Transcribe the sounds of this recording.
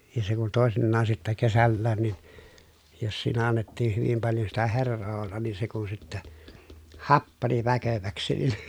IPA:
jɑ se kun toˑesinːɑːn sitːæ kesælːæːn nin jos siːnæ ɑnːetːiːh hyʋim pɑljo sitæ herːoː olːɑn niːn se kun sitːæ hɑpːɑni ʋækøʋæksi nin

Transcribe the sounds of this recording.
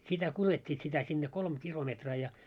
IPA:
sitæ kuletʲːiːt sitæ sinːe kolm kilometrɑː jɑ

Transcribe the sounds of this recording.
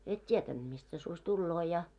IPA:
et tietænd̥ mist se susʲ tulːoː jɑ

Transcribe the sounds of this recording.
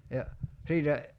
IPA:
jɑ siːtæ

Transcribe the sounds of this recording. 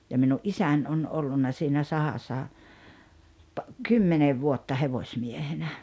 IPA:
jɑ minuʔ ʔisæn on olːunːɑ siːnæ sɑhɑsːɑ pɑ kymːeneʋ ʋuotːɑ heʋosʲmiehenæ

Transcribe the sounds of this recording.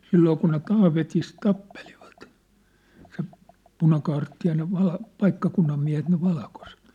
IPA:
silːoː kun ne tɑːʋetis tɑpːeliʋɑ̥t se punɑkɑːrtːi jɑ ne ʋɑl pɑikːɑkunːɑm miæ̝het ne ʋɑlkoset

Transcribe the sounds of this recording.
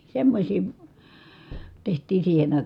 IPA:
semːosʲiː tehtˑiː siːhen ɑˑikɑˑ

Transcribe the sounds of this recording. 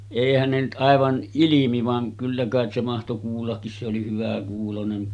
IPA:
eˑihæn ne nyt ʔɑˑeʋɑn ilimi ʋɑŋ kylːæ kɑˑet se mɑhto kuːlːɑkːis se oli hyʋækuːlonen

